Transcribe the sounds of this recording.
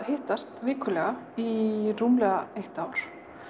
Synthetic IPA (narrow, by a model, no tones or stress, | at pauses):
hɪːht̪ast̪vɪːkʰʏlɛɣairuːmlɛɣaejht̪aːwɾ̥